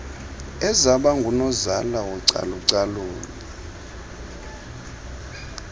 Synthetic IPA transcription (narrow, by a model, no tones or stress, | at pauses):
ɛzaɓaŋɡʱunɔzalawuǀa̰luǀaluːli